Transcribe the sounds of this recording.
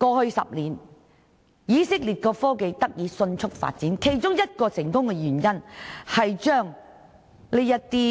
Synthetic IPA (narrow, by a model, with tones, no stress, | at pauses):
kɔː˧hɵ˧ɥsɐ̰˨p̚liː˨˩n | jiː˨˧sɪ˥k̚liː˨˩t̚kɔː˧fɔː˥ke˧jt̪ɐ˥k̚jiː˨˧˥sɵ˧nt͡ʃʰʊ˥k̚fa̰ː˧t̚t͡siː˨˥nkʰe˨˩jt͡ʃʊ˥ŋjɐ˥t̚kɔː˧sɪ˨˩ŋkʊ˥ŋkɛ˧jyː˨˩njɐ˥nhɐ˨jt͡ʃœː˥ŋ | le˨˧jɐ˥tt̪ːiː˥